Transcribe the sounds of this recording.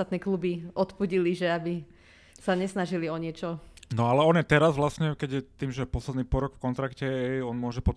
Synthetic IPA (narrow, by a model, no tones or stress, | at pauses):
at̪nɛːklubiɔt̪puɟiliʒɛabi | saɲɛsnaʒiliɔɲɪɛt͡ʃɔnɔalɛɔnjɛt̪ɛɾazʋlasɲɛkɛɟjɛt̪iːmʒɛpɔslɛd̪niːpɔɾɔkfkɔnt̪ɾakcɛɛɔnmʊɔʒɛpɔ